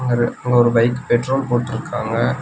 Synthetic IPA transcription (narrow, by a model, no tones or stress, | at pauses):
ŋɡɐɾɐŋɡɐɔɾɯʋɐɪkːɯ̥pɛʈroːlpoːʈːɪɾɯkːaːŋɡɐ